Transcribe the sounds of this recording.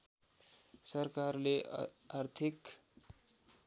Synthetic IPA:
sʌrkarleart̪ʰik

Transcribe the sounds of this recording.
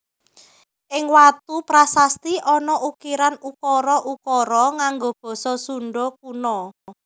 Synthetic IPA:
ʔɪŋwat̪upɾasast̪iʔɔnɔʔukiɾanukɔɾɔʔukɔɾɔŋaŋɡob̥ɔ̤sɔsuɳɖɔk̚unɔ

